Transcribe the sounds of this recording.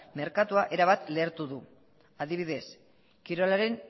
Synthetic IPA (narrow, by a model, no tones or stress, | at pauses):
me̞ɾkat̪uaʔe̞ɾaβat̪le̞ːɾt̪uðu | aðiβ̞iðe̞s | kiɾo̞laɾe̞n